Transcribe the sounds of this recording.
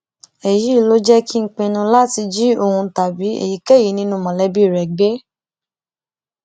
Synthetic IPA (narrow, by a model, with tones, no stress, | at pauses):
e˨ji˨˦˨lo˦d͡ʒɛ˦kʰi˦ŋ̩˦k͡pẽ˧nũ˧la˦ti˧d͡ʒi˦o˧hũ˧ta˨bi˨˦ḛ˨ji˨˦kɛ˦˨ji˨˦nĩ˦nũ˧mã˨lɛ˨˦bi˦˨ɾɛ˨ɡ͡be˦